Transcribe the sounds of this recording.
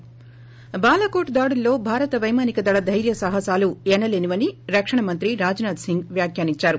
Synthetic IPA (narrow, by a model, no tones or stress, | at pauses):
baːlɐkoːʈd̪aːɽulːo̞ːbʱaːɾɐt̪ɐʋɐjmaːnikɐd̪ɐɭɐd̪ʱɐjɾjɐsɐɦɐsaːluenɐleːniʋɐniɾɐkʂɐɳɐmɐnt̪ɾiɾaːd͡ʒnaːd̪siŋɡʋjaːkjaːniɲt͡ʃaːɾu